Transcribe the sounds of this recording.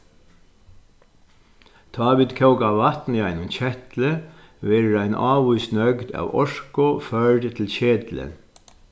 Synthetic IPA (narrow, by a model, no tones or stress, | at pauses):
d̪̥ʰɑːʋɪd̪kʰɑʊɡɑʋɑt̪n̩jæɪnʊmçɛt̪lə | ʋeːɾəɾæɪnʔɑːʋuːsnœɡd̪ɑ̰ːʋɔʃkʊføːɖət̪ʰl̩çeːd̪lə̰